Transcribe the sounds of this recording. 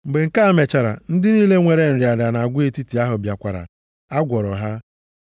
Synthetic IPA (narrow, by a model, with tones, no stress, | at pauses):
m̩˨ɡ͡be˨ŋ̩˦˨ka˦me˨t͡ʃa˨ɾa̰˨n̩˦dɪ˦niː˦le˦ŋʷe˨ɾe˦n̩˨ɾja˨ɾa˨na˨a˨ɡʷʊ˦e˨ti˦ti˨a˦ɦʊ˨bja˨kʷa˨ɾa̰˨ | a˦ɡʷɔ˨ɾɔ˨ɦa˦